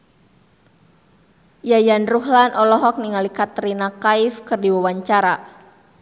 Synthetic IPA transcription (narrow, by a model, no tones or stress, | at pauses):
jajanruɦlanʔɔlɔɦɔk̚niŋalikat̪ɾinakaifkɨrdiwawaɲt͡ʃaɾa